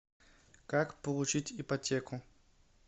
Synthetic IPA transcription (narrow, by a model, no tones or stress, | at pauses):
kakpəlˠʊt͡ɕitʲipɐtʲekʊ